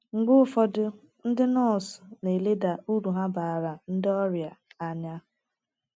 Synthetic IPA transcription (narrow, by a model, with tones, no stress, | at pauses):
ŋ͡m̩˨ɡ͡bʊ˦ʊ˦fɔ˨dʊ˦ | n̩˦dɪ˦nɔ˦˨sne˨le˦da˨u˦ɾu˨ɦa˦ba˨ɾa˨n̩˦dɪ˦ɔ˦ɾja˨a˨ɲa˦